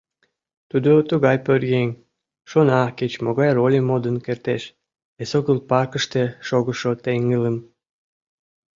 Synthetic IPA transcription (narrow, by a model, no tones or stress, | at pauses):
t̪ud̪ot̪əɣɑjpørɣeŋʲ | ʃonɑket͡ɕmoɣɑjrolʲemod̪ənkert̪eʃ | esoɣəlpɑkəʃt̪eʃoɣəʃot̪eŋələm